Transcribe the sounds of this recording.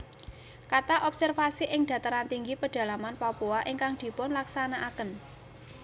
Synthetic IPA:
kat̪aʔɔpsɛrfasiʔɪŋɖ̪̥ä̤t̪əɾant̪iŋɡipəɖ̥ä̤lamanpapuaʔiŋkaŋd̪̥i̤pʊnlaksanaʔakən

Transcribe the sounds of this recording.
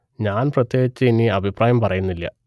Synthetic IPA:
ɲaːnprɐt̪je̞ːɡit͡ɕːɨiniɐbʱipraːjɐmpɐrɐjunːilːɐ̰

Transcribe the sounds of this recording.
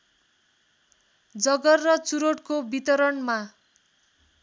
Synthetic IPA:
d͡zʌɡʌrːʌt͡suɾoʈkobit̪ʌɾʌnma

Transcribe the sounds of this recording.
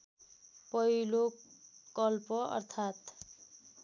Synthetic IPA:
pʌilokʌlpʌʌ̰rt̪ʰat̪

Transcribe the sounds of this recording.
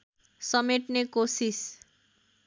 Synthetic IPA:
sɔmeʈnekosis

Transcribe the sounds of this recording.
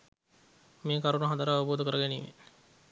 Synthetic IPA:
meːkaɾunuɦad̪əɾaːʋəboːd̪əkəɾəɡænḭːʋḛ

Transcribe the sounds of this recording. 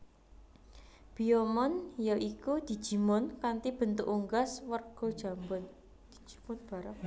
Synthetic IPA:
b̥iomɔnjoʔikud̪̥i̤̥ʒ̥i̤mʊnkant̪ib̥ə̤nt̪ṵʔuŋɡaswərɡ̥ɔ̤d̥ʒ̥a̤mbʊn | d̪̥i̥d͡ʒ̥i̥mʊnb̥a̤ɾəp̚

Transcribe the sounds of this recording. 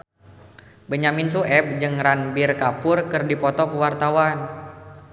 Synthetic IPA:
bəɲamins̬uʔɛp̚d͡ʒɨŋranbirkapʊrkɨrdipɔt̪ɔkwart̪awan

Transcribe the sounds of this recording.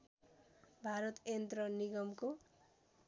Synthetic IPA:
bʱaɾʌt̪ent̪rʌniɡʌmko

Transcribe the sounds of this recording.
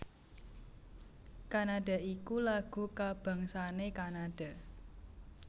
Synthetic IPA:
kanad̥a̤ikulaɡ̥ṳkab̥a̤ŋsanekanaɖ̥a̤

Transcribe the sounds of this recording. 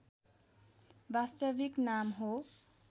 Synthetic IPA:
bast̪ʌbiknamɦo

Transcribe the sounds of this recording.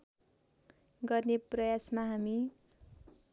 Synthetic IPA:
ɡʌrneprʌjasmaɦami

